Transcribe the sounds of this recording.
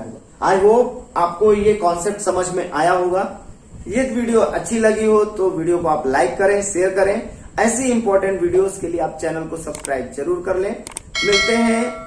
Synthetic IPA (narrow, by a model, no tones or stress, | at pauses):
a̰ːd͡ʒʋoːaːp̚kojekɔ̃ːnsepʈsɐməd͡ʒʱmẽʔaːjaɦoːɡaː | jet̪ʋiːɖijoʔɐtːʃʰilɐɡiɦot̪oʋiːɖijokoaːplaːɪkːɐɾẽʃeːəɾkɐɾẽːɛːsiɪ̃mpɔːɾʈə̃ɳʈʋiːɖijoːzkelieaːp̚t͡ʃɛːnəlkosɐbskɾaːɪbzɐɾuːɾkɐɾlẽːmɪlt̪eɦɛ̃